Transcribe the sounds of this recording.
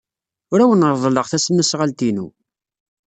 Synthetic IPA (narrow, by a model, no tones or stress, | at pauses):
ʊɾæwənəɾˤðˤləʁθæsənːæsʁalt̪inṵ